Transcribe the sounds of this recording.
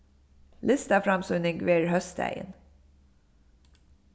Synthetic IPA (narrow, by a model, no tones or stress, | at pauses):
lɪst̪ɑfɾɑmsʉnɪŋɡʋeːɾhœst̪æ̰ɪə̰n